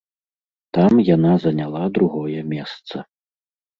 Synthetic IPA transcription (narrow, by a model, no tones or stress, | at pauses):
t̪amjanazɐnʲalˠad̪ɾuɣɔjɛmʲɛst̪sɐ